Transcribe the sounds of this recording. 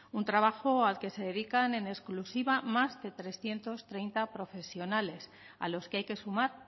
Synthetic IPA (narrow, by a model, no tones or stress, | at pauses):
unt̪ɾaβ̞axo̞alke̞se̞ðe̞ðikane̞ne̞sklusiβamazðe̞t̪ɾe̞sθje̞nt̪o̞st̪ɾe̞jnt̪apɾo̞fe̞sjo̞nale̞s | a̰lo̞skeajke̞sumaɾ